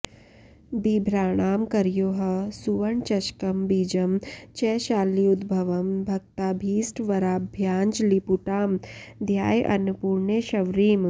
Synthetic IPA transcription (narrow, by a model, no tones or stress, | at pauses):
bibʱɾaːɽ̃aːmkɐɾjoːɦɐsuʋɐɳt͡ʃɐʃkɐmbiːd͡ʒɐmt͡ʃɛːʃaːliːud̪bʱɐʋɐmbʱɐk̚t̪aːbʱiːsʈʋɐɾaːbʱjaːnd͡ʒlipuʈaːmd̪ʱjaːjʔɐnupuːɾɳeʃɐʋɾiːm